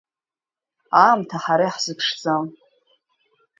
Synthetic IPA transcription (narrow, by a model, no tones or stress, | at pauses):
amtʰaħaɾajħz̥ɨpʰʂd͡zam